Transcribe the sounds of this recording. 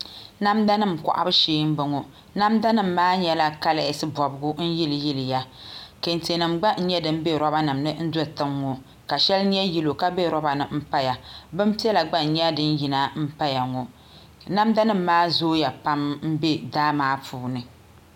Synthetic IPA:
na˦mda˦nɨ˦˨m˨kɔ̰˨ʔa̰˦bɨ˦ʃiː˨˦m̩˦bɨ˨ŋo˨ | na˦mda˦nɨ˦mː˨aː˦ɲɛ˦la˦ka˦la˨ɪ˨sɨ˦bɔ˨bʊ˦ɡʊ˦n̩˦ji˦lɨ˨ji˦lɨ˨ja˦ke˨n˨te˨nɨ˨mɡ͡ba˦n̩˦ɲɛ˦dɨ˦m̩˦be˦ɾɔ˦ba˦nɨ˨mnɨ˦n̩˦dɔ˦tɨ˦ŋːo˨ | ka˨ʃɛ˦lɲɛ˦ji˦lo˨ka˦be˦ɾɔ˦ba˨nɨ˨m̩˦pa˦ja˨bɨ˦m˦pi˦ɛ˦la˨ɡ͡ba˦n̩˨ɲɛ˦dɨ˦n˦ji˨na˨m̩˦pa˦ja˨ŋo˨ | na˦mda˦nɨ˦m̩ː˦aː˦zoː˦ja˨pa˦mm̩˦be˦daː˦maː˨˦puː˨˦nɨ˨

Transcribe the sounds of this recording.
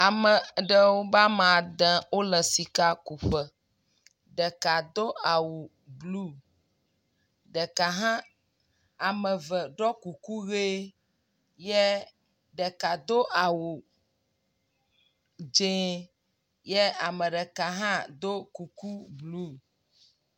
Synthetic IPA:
a˨mə̃˨ɖə˨wo˦ba˦mã˨d̪ɛ̃˨wo˦lə˨si˨ka˦ku˨ɸə˨ | ɖə˨ka˨d̪o˦a˨wu˨ | blu˦˨ | ɖə˨ka˨ɦã˦ | a˨mə̃˨və˨ɖɔ˦ku˨ku˦ɣe˦ | jɛ˦ | ɖə˨ka˨d̪o˦ʔa˨wu˨ | d͡ʒẽ˦ | jɛ˦a˨mə˨ɖɛ˨ka˨ɦã˦d̪o˦ku˨ku˦blu˦

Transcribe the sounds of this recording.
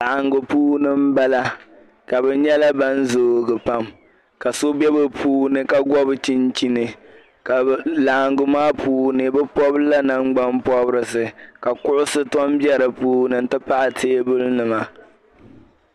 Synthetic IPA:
la˨ŋɡʊ˨puː˦nɨ˦m̩˦ba˦la˦ | ka˨bɛ˨ɲɛ˦la˦ba˦n̩˦zoː˨ɡɨ˨pa˦m | ka˨so˦bɛ˦bɨ˨pʰuː˦nɨ˦ka˦ɡɔ˦bɨ˦t͡ʃi˦nt͡ʃi˦nɨ˨ | ka˨la˨ŋɡʊ˨maː˦puː˦nɨ˨bɛ˦pɔ˦bla˦na˦ŋ͡mɡ͡ba˦mpɔ˦bɨ˦ɾɨ˨sɨ˨ka˨kʊ˦ʔʊ˦sɨ˦tɔ˦mbjɛ˦ɾɨ˨puː˦nɨ˨n̩˦tɨ˦pa˦ʔa˨tʰeː˦bʊ˦lnɨ˨ma˨

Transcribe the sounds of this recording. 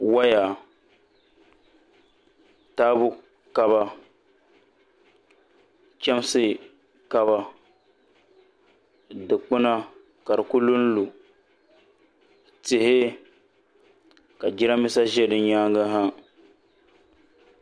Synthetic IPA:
wa˦ja˨ | taː˦bʊ˦ | ka˨ba˦ | kʲɛ˦m˦sɨ˦ | ka˦βa˦ | dɨ˨k͡pɨ˦na˦ | ka˨ɾɨ˨ku˦lu˦n̩˦lu˨ | tɪ˨hɪ˦ | ka˨d͡ʒi˦ɾa˦mɪ˦sa˦ʒɛ˦dɨ˨˦ɲaː˦ɡa˦ɦa˦

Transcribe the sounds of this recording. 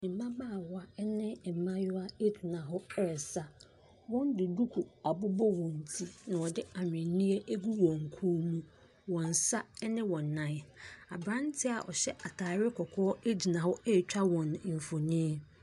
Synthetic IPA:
nɪ̃˨m̩˨˦mã˦baː˦˨wa˦nɪ̃˦˨m̩˨mã˦jʊ˦a˦e˦d͡ʑi˨nã˨ɦʊ˦ɛ˦˨sa˦ | wɔ̃˦n˦dɪ˨du˦kʰu˨a˨bʊ˦bɔ˦wɔ̃˨n̩˨tʰi˦nã˨ɔ˨dɪ˦a˨ɲᶣ˨ɪ̃˨˦nĩ˦e˦ʔe˦ɡu˦wɔ̃˨ŋ̩˨kʰuː˦mũ˦ | wɔ̃˨n˨sa˦ɛ˦nɪ̃˦wɔ̃˨nː˨ã˨˦˨a˨bɾã˦n˦tʰɪ˦a̰˨ʔɔ̰˨ɕɛ˦ʔa˨tʰaː˨ɾɪ˦kʰɔ˨kʰɔ˦e˦d͡ʑi˨nã˨hʊ˦e˦˨t͡ɕᶣa˦wɔ̃˨n˨m̩˨fo˨nĩ˦e˦

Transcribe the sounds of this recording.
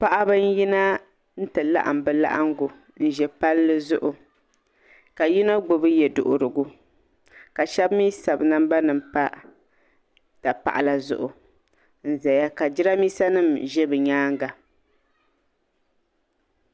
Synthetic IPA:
pa˨ʔa˦bɨ˦n˦ji˦na˦ | n̩˦tɨ˨la̰˦ʔa̰˨m˨bɨ˨la̰˦ʔa̰˦ŋɡʊ˨ | n̩˨ʒɛ˨pa˦lːɨ˦zʊ˦ʔʊ˨ | ka˨ji˦na˦ɡ͡bo˨bɨ˦jɛ˨dʊ˨ʔʊ˨ɾɨ˨ɡʊ˦ | ka˨ʃɛ˦bmi˦sa˨bɨ˨na˦mba˦nɨ˨mpa˦ | ta˨pa̰˨ʔa˨la˨zʊ̰˦ʔʊ˨ | n̩˨za˨ja˦ka˨d͡ʒɪ˦ɾa˦miː˦sa˦nɨ˦˨mʒɛ˦bɨ˨ɲaː˦ŋ˦ɡa˨

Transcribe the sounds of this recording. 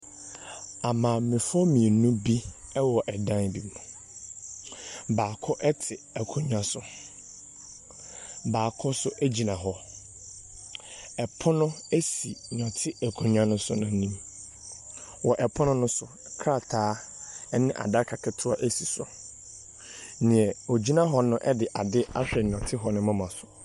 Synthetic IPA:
a˨mãː˨mɪ̃˨fɔ˦mĩ˨e˨nũ˦bi˦ɛ˦wɔ˨ʔɛ˨dã˦n˨bi˨nũ˨ | baː˨kʰɔ˦ʔɛ˦tʰɪ˨ɛ˨kʰʊ̃˦ɲᶣã˦sʊ˨ | baː˨kʰɔ˦sʊ˦ʔæ˦d͡ʑi˨nã˨ɦɔ˦ | ɛ˨pʰɔ˦nʊ̃˦æ˦si˨ɲ˨ɔ̃˨tʰɪ˦æ˨kʰũ˨ɲᶣ˦ã˦nʊ̃˦sʊ̰˦nã˨˦nĩ˦m | wɔ˨ʔɛ˨pʰɔ̃˦nʊ̃˦nʊ̃˦sʊ˨ | kʰɾa˦˨tʰaː˨˦ɛ˦nɪ̃˦ʔa̰˨da˦kʰa˨kʰɛ˨tʰʊ˦a˦ʔæ˦si˨sʊ̰˨˦ | nɪ̃˨ɛ˨o˨d͡ʑi˦nã˦ɦɔ˦nʊ̃˦ʔɛ˦dɪ˨ʔa˨dɪ˦a̰˦ɕᶣɛ˨ɲ˨ɔ̃˨tʰɪ˦ɦɔ˨nʊ̃˦mã˦mã˨sʊ̥˨

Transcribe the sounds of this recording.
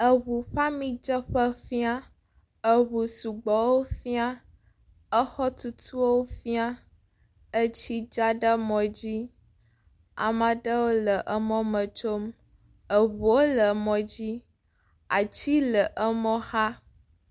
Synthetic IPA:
ə˨βu˨ɸa˦mĩ˦d͡ʒə˦ɸə˦fi˦a˦ | ə˨wu˨su˨ɡ͡bɔ˨wo˦fi˦a˦ | ə˦xɔ˦t̪u˦t̪ʰu˦o˦wo˦fi˦a˦ | ə˦t͡ɕi˦d͡ʒa˦ɖə˦mɔ̃˨d͡ʑi˦ | a̰˨mə̃˨ɖə˦wo˦lə˨ʔə˦mɔ̃˦mə̃˨t͡ʃo˦m | ə˨ɦu˨o˦lə˨mɔ̃˨d͡ʑi˦ | a˨t͡ɕi˦lə˨ʔə˦mɔ̃˦ha˦

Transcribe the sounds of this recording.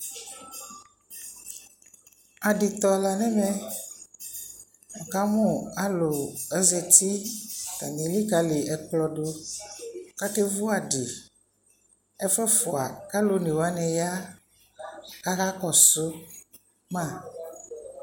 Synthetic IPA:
a˨ɖi˨t̪ɔ˨la˨nɛ̃˦mẽ˨ | mɔ˨ka˦mũ˦˨a˦lo˨ɛ˦zɛ˨t̪i˦ka̰˨ɲĩ˨li˦ka˦le˨ɛ˨k͡plɔ˨ɖo˦ | ka˦te˦vu˦a˨ɖi˨ | ɛ˦fɛ˦fo˨a˨ka˦lo˦nĩ˨wa˦nɛ̃˨ja˦ | ka˦ɣa˦kɔ˨so˦ | mã˦˨

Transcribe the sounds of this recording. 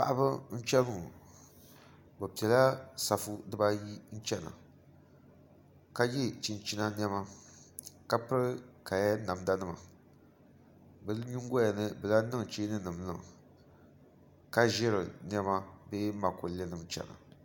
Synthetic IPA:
pa̰˦˨ʔbɨ˦n̩˦t͡ʃɛ˦mɨ˦˨ | bɛ˨pi˨ɛ˨la˦sa˨fu˦dɨ˦ba˦ji˦n̩˦t͡ʃɛ˦na̰˨ | ka˦jɪ˦t͡ʃi˨n˦t͡ʃi˦na˦n˦ɛ˦ma˦ | ka˦pɨ˦ɾɨ˦ka˨ja˦na˨m˦da˦nɨ˦ma̰˨ | bɨ˨lɨ˦ɲu˦ŋ˦ɡɔ˦ja˨nɨ˦bɨ˨la˦nɨ˦ŋ˨t͡ʃeː˦nɨ˦nɨ˨mlɨ̰˦˨ŋ˨ | ka˦ʒɛ˦ɾɨ̰˨n˦ɛ˦ma˦beː˦ma˨ko˨lɛ˦nɨ˨m˦t͡ʃɛ̰˨na̰˨

